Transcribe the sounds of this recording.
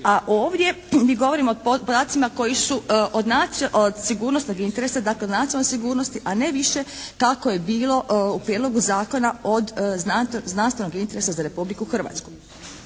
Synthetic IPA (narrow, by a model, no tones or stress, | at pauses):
aʔo̞ːʋd̪je̞ | miːɡo̞ʋo̞ɾimopod̪aːt̪simako̞jisuʔod̪naʔod̪siɡuːɾnosno̞ɡint̪e̞ɾe̞sad̪akled̪nat̪iolːojsiɡuːɾno̞st̪iʔane̞ʋiʃe̞kakoje̞biːlˠo̞ʔupɾjed̪lo̞ɡuzaːko̞nao̞d̪znaznanst̪ʋe̞no̞ɡint̪e̞ɾe̞sazaɾe̞publikuxr̩ʋa̰t̪sku̥